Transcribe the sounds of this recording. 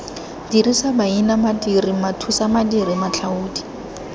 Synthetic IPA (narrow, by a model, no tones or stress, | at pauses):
d̥irisabainamadirimatʰusamadiɾimat͡ɬʰauːdi